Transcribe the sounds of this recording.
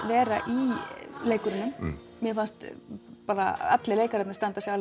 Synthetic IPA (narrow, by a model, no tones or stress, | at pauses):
vɛːɾaʔileːjkʏɾɪnːʏm | mjɛfanst̪paːɾa̰ɛt̪lɪleːjkaɾɛt̪nast̪ant̪asjɛal